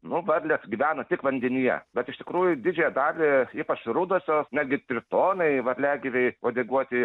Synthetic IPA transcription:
nʊʋɐɾʲlʲɛsɡʲiʋʲæːnɐt̪ʲɪkʋɐnʲd̪ʲɛnʲijɛ̰bʲɛt̪ɪʃt̪ʲɪ̥kɾuːjʊd̪ʲɪd͡ʒʲɛːjɛd̪ɑːlʲɪiːpɐt͡ʃɾʊd̪oːsʲoːsnʲæd̪ʲɡʲɪt̪ʲɾʲɪt̪oːnɐɪʋɐɾʲlʲæːɡʲɪʋʲɛɪoːd̪ʲeɡuɔt̪ʲɪ

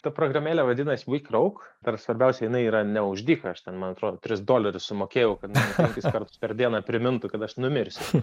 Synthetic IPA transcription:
t̪ɐpɾoːɡrɐmʲeːlʲɛʋɐd̪ʲɪnɐsʲwiːkʲrɐʊkd̪ɐrsʋɐɾʲbʲɛʊsʲɛjɪnɐɪiːɾɐnʲɛʊʒʲd̪ʲiːkɐɐʃt̪ʲɛnmɐnɐt̪ɾoːd̪ot̪ʲɾʲɪsd̪oːlʲɛɾʲʊssʊmoːkʲeːjɛʊkɐt̪mɑːnʊpʲɛŋʲkʲʊskɐrt̪ʊ̥spʲɛrd̪ʲiɛnɐpʲɾʲɪmʲɪnt̪ʊkɐt̪ɐʃnʊmʲɪɾʲsʲɪ

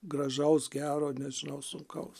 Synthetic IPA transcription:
ɡrɐʒɐʊsɡʲæːɾoːnʲɛʒʲɪnɐʊsʊŋkɐʊs

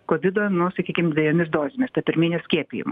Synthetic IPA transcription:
koːʋʲɪd̪oːjnʊsɐkʲiːkʲɪmd̪ʲʋʲɛʋʲiɛnʲɪsd̪oːzʲɪmʲɪst̪ɐpʲɪɾʲmʲiːnʲɛsʲkʲiɛpʲḭjɪ̰m

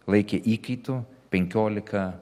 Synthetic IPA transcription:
lˠɐɪkʲeʔiːkɐɪt̪uːpʲɛŋʲkʲoːlʲɪkɐ

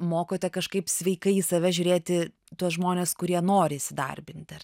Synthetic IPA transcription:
moːkoːt̪ʲɛkɐʃkɐɪpsʲʋʲɛɪkɐɪiːsɐʋʲɛʒʲʊːɾʲeːt̪ʲɪ | t̪uɔsʒmoːnʲeːskʊɾʲiɛnoːɾʲɪːsʲɪd̪ɐ̰rʲbʲɪnʲt̪̚ʲɛr

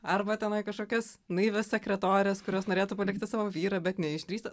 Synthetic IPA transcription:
ɐrbɐt̪ʲɛnɐɪkɐʃkoːkʲɛs | nɐɪʋʲɛsʲsʲɛkɾʲɛt̪oːɾʲɪɛskʊɾʲoːsnoːɾʲeːt̪uːpɐlʲɪk̚t̪ʲɪsɑːʋoːʋʲiːɾɐbʲɛt̪nʲɛɪʒʲd̪ɾʲiːst̪ɐ

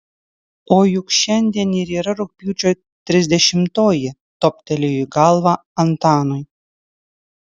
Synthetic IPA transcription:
oːjʊkʃʲɛnʲd̪ʲeːniɾiːɾɐɾʊk̚pʲiwt͡ʃʲoj | t̪ʲɾʲɪzʲd̪ʲɛʃʲɪmt̪oːjɪ | t̪opʲt̪ʲɛlʲejiɡɑlˠʋɑɐnt̪ɑːnʊj

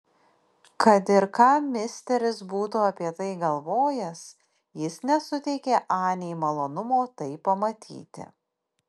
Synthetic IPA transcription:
kɐt̪ɪɾkɑːmʲɪsʲt̪ʲɛɾʲɪsbuːt̪uːɐpʲiɛt̪ɐɪɡɐlˠʋoːjɛs | jɪsnʲɛsʊt̪ʲɛɪkʲeːʔɑːnʲɛjmɐlˠoːnʊmoːt̪ɐɪpːɐmɐt̪ʲʰḭːt̪ʲɪ̰

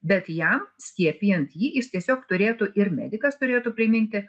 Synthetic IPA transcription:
bʲɛt̪jɛmsʲkʲiɛpʲɪjɛnt̪jiːjɪst̪ʲiɛsʲoːkt̪ʊɾʲeːt̪ʊʔɪɾmʲæ̰ːd̪ʲɪkɐst̪ʊɾʲeːt̪ʊpʲɾʲɪmʲɪnʲt̪ʲɪ

